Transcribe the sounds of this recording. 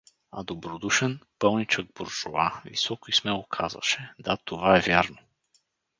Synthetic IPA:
ɐ̰d̪obɾod̪uʃɛnpɤlˠnit͡ʃəɡ̚boɾʒoavḭsɔkoismɛlˠokʰazvə̰ʃɛd̪at̪ovaɛvʲjaɾno

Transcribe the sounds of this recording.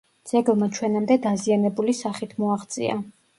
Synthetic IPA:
d̪z̥ɛɡlˠmat͡ʃʰwɛnamd̪ɛd̪azianɛbulisaχit̪ʰmɔaχt̪sʼḭa̰

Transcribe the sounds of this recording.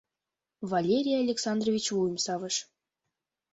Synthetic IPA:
vɑlʲeɾʲijaalʲeksɑnd̪rovʲit͡ɕvujəmsɑvəʃ

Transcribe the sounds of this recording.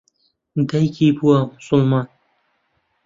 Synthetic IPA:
d̪ɐjkʰibuwɐmʊsʊlmɑːn

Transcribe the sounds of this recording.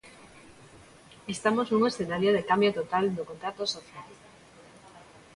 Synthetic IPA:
est̪amosnuŋesθenaɾjoð̞ekambjot̪ot̪ald̪okont̪ɾat̪osoθjaliko

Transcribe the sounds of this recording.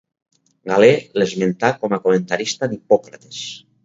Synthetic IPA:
ɡalelezment̪akɔmakomẽnt̪aɾist̪anipɔkɾat̪e̥s

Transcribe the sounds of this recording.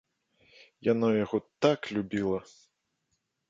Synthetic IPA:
janɔjaɣɔt̪aklʲubʲilˠɐ

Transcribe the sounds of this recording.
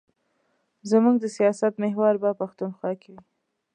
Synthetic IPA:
zamuɡd̪əsijɑsat̪meɦwaɾbapaxt̪unxwɑkɪwi

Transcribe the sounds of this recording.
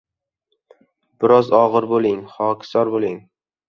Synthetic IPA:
b̥ɪɾɒzɒʁɨɾbolɪŋχɒkʲʰɪ̥sɒɾbolɪŋ

